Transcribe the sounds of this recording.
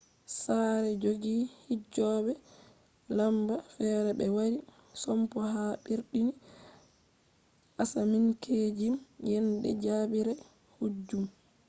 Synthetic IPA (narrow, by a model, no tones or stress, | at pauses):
saɾɛd͡ʒoɡiːhid͡ʒɔbɛ | lambafɛɾɛbɛwaɾi | sɔmpɔɦaɓiɾɗini | ʔasamiŋkʰeːd͡ʒimjɛnɗɛ̰d͡ʒaːbiɾa | hud͡ʒːum